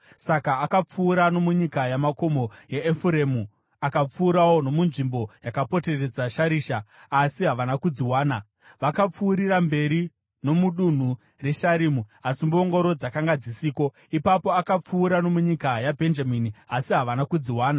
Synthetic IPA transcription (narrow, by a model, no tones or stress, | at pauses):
sakaːkap͡fuːɾano̞muɲikajamako̞mo̞jeːfuɾemu | akap͡fuːɾawo̞no̞munʐimbo̞jakapo̞te̞re̞d͡zaʃaɾiːʃaː | siɦaʋanakud͡ziwaːna | ʋakap͡fuːɾirambe̞ɾi | no̞muɗun̤u | re̞ʃaɾimuasimbuoŋɡo̞ɾo̞d͡zakaŋɡad͡zisiːko̞ | ipapo̞akap͡fuːɾano̞muɲikajabʱe̞nd͡ʒaminiasiɦaʋanakud͡ziwaːna